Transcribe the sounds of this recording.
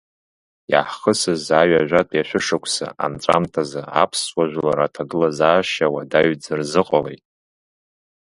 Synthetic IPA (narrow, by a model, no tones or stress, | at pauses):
ja̰ħχəsɨzaɥaʒʷᶣatʼjaʃʷᶣɨʂɨkʷʰʼsa̰ʔa̰mt͡sʷʼa̰mtʰazaa̰pʰswaʒᶣʷlaɾatʰaɡɨlazaːʃawadaɥd͡zɨrzɨqʼalḛjtʼ